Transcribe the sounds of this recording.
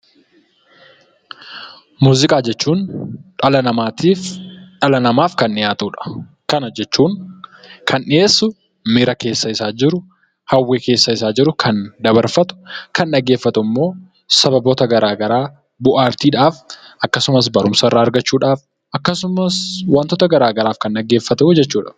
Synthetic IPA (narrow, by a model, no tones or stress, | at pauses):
muːzɪkʼaːd͡ʒɛt͡ʃːuːnᶑɐlɐnɐmaːt̪iːfᶑɐlɐnɐmaːfkɐnːɪjaːt̪uːᶑɐ̥ | kɐnɐd͡ʒɛt͡ʃːuːŋ | kʰɐnʔɪeːsːʊ | mɪɾɐke̞ːsːɐɪsaːd͡ʒɪɾʊ | hɐwːeːke̞ːsːɐɪsaːd͡ʒɪɾʊkʰɐnd̪ɐbɐɾfɐt̪ʊ̥kɐnᶑɐɡe̞ːfːɐt̪ʊmːo̞ː | sɐbɐboːt̪ɐɡɐɾaːɡɐɾaː | bʊʔaːɾt̪iːᶑaːfʔɐkːɐsʊmɐs̬bɐɾʊmsɐrːaːɐɾɡɐt͡ʃːuːᶑaːf | ʔɐkːɐsʊmɐswant̪ɔt̪ɐɡɐɾaːɡɐɾaːfkɐnɗɐɡːeːfːɐt̪ɐd͡ʒɛt͡ʃːuːᶑɐ